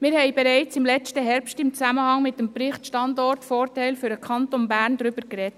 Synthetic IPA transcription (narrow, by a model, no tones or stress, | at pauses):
mɪːɾhɛɪbɛɾæɪt͡sɪmlɛt͡stəɦɛɾpstɪmt͡sæməhɑŋmɪt̚dəmpɾɪχtʃtɑndɔrtfɔːrtæɪlfyɾəkʰɑntonbæːɾndɾʏbəɾkɾɛt